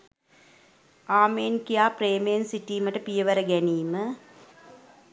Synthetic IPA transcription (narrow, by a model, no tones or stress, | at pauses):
aːmeːnkijaːpreːmejnsiʈːiːmɐʈɐpijɐʋɐɾɐɡɛniːmə